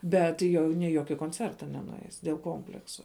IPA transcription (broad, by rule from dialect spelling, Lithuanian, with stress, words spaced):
ˈbʲɛt jɛʊ nʲɪ ɪ ˈjoːkʲɪ koːnʲˈt͡sʲɛrtɐ nʲɛnʊˈɛɪs dʲeːlˠ ˈkoːmʲpʲlʲɛksʊ